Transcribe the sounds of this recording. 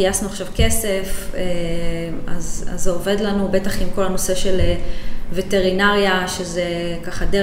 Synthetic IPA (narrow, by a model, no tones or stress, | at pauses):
iasnuaχʃavke̞se̞fe | a̰za̰zeove̞dlanube̞taχimko̞lano̞se̞ʃe̞levete̞ʁinaʁjaʃeze | kaχade